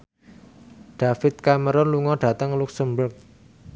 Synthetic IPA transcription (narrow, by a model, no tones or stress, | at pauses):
ɖ̥afɪt̪̚kaməɾɔnluŋɔɖ̥a̤t̪əŋluksəmbʊrk̚